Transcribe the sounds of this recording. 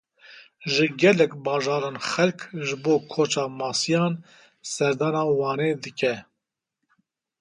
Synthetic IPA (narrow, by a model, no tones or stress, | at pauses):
ʒɨɡɛlɛkbɑːʒɑːɾɑːnxɛlkʒɨboːkʰoːt͡ʃɑːmɑːsijɑːn | sɛɾd̪ɑːnɑːwɑːneːd̪ɨkʰɛ